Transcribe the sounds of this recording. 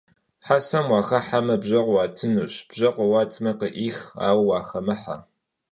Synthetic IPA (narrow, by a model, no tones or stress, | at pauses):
ħasɐmwɑːxɐħamɐbʑɐqʷwɑːtʰɨnuːɕb̥ʒɐqʷəwɑːtʰmɐqəʔiːxa̰ːwwɑːxɐmɨħa̰